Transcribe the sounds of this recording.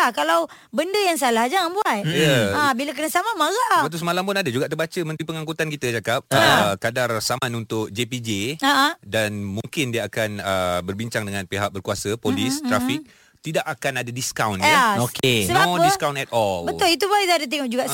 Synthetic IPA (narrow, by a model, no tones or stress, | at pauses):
lahkalaw | bəndəjaŋs̬alahd͡ʒaŋanbuat̪jəabilak̬ənasamamaɣaʔbat̪usəmalampʊnadad͡ʒuɡaʔt̪ərbat͡ʃəmə̃nt̪ɾipəŋaŋkut̪ankit̪ət͡ʃakap̚əkadarsamanunt̪ʊk̚d͡ʒepid͡ʒeaʔadanmũŋkɪndiəakanəbərbiɲt͡ʃaŋdəŋãnpeɦak̚bərkuasəpolisɾafik̚ | t̪idaʔakanadadiskawnaokesəbadiskawnɛt̪̚ɔlbəʊlit̪ubaiadət̪̬ɛŋɔʔd͡ʒuɡaʔ